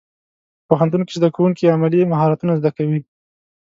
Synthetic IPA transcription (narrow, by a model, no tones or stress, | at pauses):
poxant̪unkezd̪akawuŋkiamalimaɦɑɾat̪unazd̪akawi